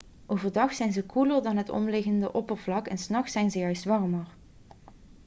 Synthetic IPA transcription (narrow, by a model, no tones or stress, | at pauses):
ʔoːvəɹdɑχsɛjnzəkuləɹdɑnɦətɔ̰mlɪɣəndəʔɔpəɹvlɑkɛnsnɑχsɛjnzəjœɥstʋɑrməɹ